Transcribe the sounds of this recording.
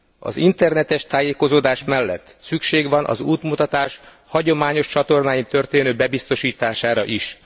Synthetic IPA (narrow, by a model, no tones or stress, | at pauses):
ɒ̰zint̪ɛrnɛt̪ɛʃt̪aːjeːko̞zoːd̪aːʃmɛlːɛ̰t̪ːsykʃeːɡʋɒnʔɒ̰zuːt̪mut̪ɒt̪aːʃ | hɒɟo̞maːɲo̞ʃt͡ʃɒt̪o̞rnaːjint̪ø̞rt̪eːnøːbɛbist̪o̞ʃiːt̪aːʃaːɾɒʔiʃ